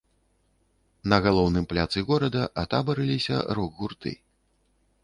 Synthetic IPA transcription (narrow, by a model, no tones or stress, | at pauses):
nɐɣalˠɔwnɨmplʲat̪sɨɣɔɾɐd̪ɐʔat̪abɐɾɨlʲisʲɐ̰ɾuɣɣurt̪ɨ̰